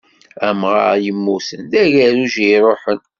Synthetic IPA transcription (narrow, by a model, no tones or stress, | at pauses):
æmʁɑ̰ɾjəmːusəndæʝæɾuʒiɾˤoħən